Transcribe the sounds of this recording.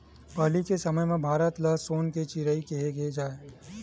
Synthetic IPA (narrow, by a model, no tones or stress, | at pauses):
pəɦlikesɐməjmẽbʱaːɾət̪ləɦsoːnket͡ʃiɾəikeɦeɡed͡ʒaːe